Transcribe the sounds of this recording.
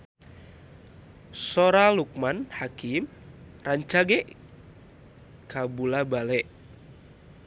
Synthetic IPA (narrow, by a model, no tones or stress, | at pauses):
soɾaluk̚manhakim | raɲt͡ʃaɡɛʔ | kabulabalɛʔ